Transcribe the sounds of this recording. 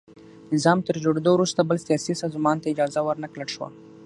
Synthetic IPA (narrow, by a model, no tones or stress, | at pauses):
nɪzɑmt̪əɾd͡ʒoɽed̪owɾust̪abəlsjɑsisɑzmɑnt̪aɪd͡ʒɑzawəɾnakləɽʃwa̰